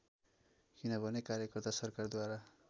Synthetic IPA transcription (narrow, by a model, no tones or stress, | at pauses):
kinʌbʱʌnekaɾjʌkʌrt̪asʌrkard̪waɾa